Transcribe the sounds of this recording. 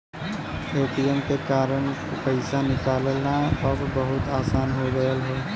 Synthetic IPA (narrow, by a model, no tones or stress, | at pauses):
eːʈijəmkekaːɾəɳ̃ | pəɪsanɪkaːləlnaəbbɐɦʊt̪aːsaːnɦoɡəjəlɦeː